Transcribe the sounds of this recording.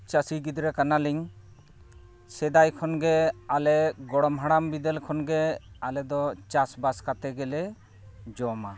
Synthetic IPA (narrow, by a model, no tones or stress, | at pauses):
t͡ʃasiɡid̪ɾɛkanaliŋ | sɛd̪ajkʰɔnɡɛalɛɡɔɽɔmɦaɽambid̪ɛlkʰɔnɡɛalɛd̪ɔt͡ʃasbaskat̪ɛɡɛlɛ | d͡ʒɔma